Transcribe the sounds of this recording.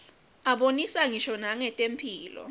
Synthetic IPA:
aɓonisaŋiʃɔnaŋɛtʼem̩pʰiːlɔ̰

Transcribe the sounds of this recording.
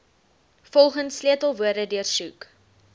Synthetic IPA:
fɔlˠχənsliətəlˠvuərdədyərsuk

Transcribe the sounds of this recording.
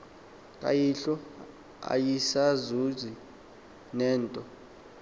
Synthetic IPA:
kʼa̰jiɬɔ | a̰jisazuzi | nɛːntʼɔ

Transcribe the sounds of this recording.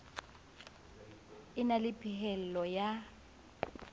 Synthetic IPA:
ɪnalɪpʰʼɪhɛl̩lɔja

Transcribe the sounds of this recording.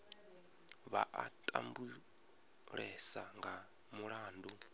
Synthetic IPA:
βa̰ʔatʼa̰mbu | ɺɛsaŋɡa | muɺaːndu

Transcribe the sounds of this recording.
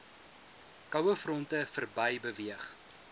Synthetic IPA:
kɐwəfrɔntəfərbɐjbəviəχ

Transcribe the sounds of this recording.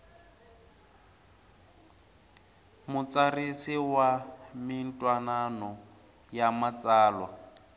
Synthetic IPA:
mʊt͡sarisiwamɪntʼwananɔ | jamat͡saːlwa̰

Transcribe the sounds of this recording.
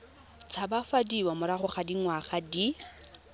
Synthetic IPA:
t͡sʰabafadiwamʊɾaχʊχadiŋwaχadi

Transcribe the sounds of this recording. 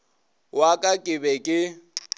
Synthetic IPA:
wakʼakʼɪbɛkʼɪ

